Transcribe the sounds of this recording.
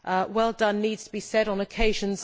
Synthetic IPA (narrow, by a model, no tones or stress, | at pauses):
ʔəwɛlˠdʌ̃nːiːdz̥tʰəbisɛɾn̩əkʰeɪʒə̃nz